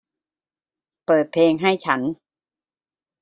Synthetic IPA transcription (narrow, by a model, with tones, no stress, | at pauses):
pɤː˨˩t̪̚pʰeː˧ŋɦa˥˩jt͡ɕʰa˦˥n